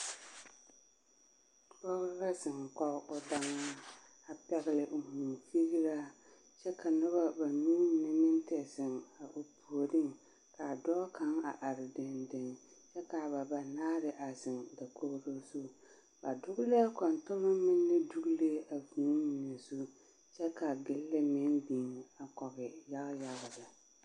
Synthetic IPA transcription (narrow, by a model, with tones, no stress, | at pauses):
bɔ˦ɣla˦zɪ˨ŋkɔ˦ʔʊ˦da˦ŋːa˦ | a˨pɛ˦ɣɪ˦˨lɪ˨ʔʊ˨muː˨fi˦ɣi˦ɾa˦ | t͡ʃɛ˦ka˨nʊ˦βa˦ba˨mi˦nɪ˦nɪ˦n˦tɛ˨sɪ˨ŋa˨ʔʊ˨pu˨o˨ɾɪ˦ŋ | ka˨dɔː˦kʰa˦ŋa˨ʔa˨ɾɪ˨dɪ˨ndɪ˨ŋt͡ʃɛ˦ka˨ba˨ba˨naː˦ɾɪ˨ʔa˨zɪ˨ŋda˨ko˦hɾo˦su˦ | ba˨dʊ˦ɡʊ˦le˦kɔ˨ntʊ˦lʊ˦mɪ˦nːɪ˦du˦ɡle˦a˨vu˨˦mi˨ne˨su˦ | t͡ʃɛ˦ka˨ɡɪ˦llɪ˦me˦nbi˨ŋ˨a˨kɔ˨ɣɪ˨ja˦ɣja˨ɣda˨